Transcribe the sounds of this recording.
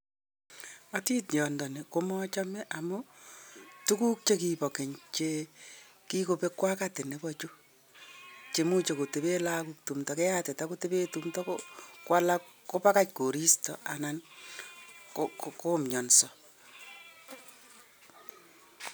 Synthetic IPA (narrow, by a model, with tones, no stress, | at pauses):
ati˦tjɔ˨ndɔ˨ne˨komɔ˦t͡ʃa˦mɛ˦ʔa˨mʊ | tu˦ku˦k̚t͡ʃe˦ki˨pɔ˨ke˨ɲt͡ʃe | ki˦ko˨pe˦kwa˦kate˨ne˨bɔt͡ʃo˦ | t͡ʃe˨mu˦t͡ʃe˨ko˨te˨pe˦la˦kuk̚tu˨mtɔke˦ja˦tɛ˨ta˦ko˦tepe˦tumtɔ˦kokwʔa˦la | ko˦pa˦kat͡ʃ̚ko˨ɾi˦stɔ̰˨ʔa˨nan | kokko˦mɲɔ˨nsɔ˨